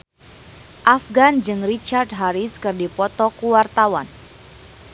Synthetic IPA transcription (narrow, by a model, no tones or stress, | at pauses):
ʔafɡand͡ʒɨŋrit͡ʃard̚ɦaɾiskɨrdipɔt̪ɔkuwart̪awan